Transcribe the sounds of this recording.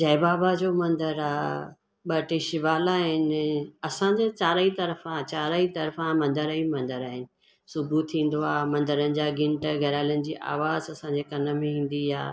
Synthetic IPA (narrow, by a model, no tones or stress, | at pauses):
d͡ʑɐɪbaːbad͡ʑoːmɐ̃nd̪əɾaː | ɓɐʈɪʃɪʋaːlaːɦɪnɪɐsãd͡ʑet͡ɕaːɾit̪ɐɾəfãt͡ɕaːɾəit̪ɐɾfãmɐ̃nd̪əɾəimɐ̃nd̪əɾaːɦɪnɪ̆ | sʊbʱut̪ʰĩːn̆d̪oaːmɐ̃nd̪əɾənɪ̆d͡ʑaːɡɪ̃ɳʈɡʱɐɾaːlənɪ̆d͡ʑiːʔa̰ːʋaːzɐsãɲd͡ʑekɐnə̆mẽɦĩːn̆d̪ija̰ː